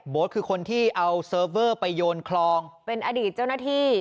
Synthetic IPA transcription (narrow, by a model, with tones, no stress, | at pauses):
boː˩˦˥t̪̚kʰɯː˧kʰo˧nt̪ʰiː˥˩ʔa˧wsɤː˧ɤː˥˩pa˧jːoː˧nkʰlɔː˧ŋpe˧nʔaː˧diː˨˩t̪̚t͡ɕa˥˩wnaː˥˩t̪ʰiː˥˩